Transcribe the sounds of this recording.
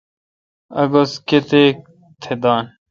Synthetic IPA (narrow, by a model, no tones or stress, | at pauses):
ɐ̰ɡosket̪ek̚ | t̪ʰed̪aːn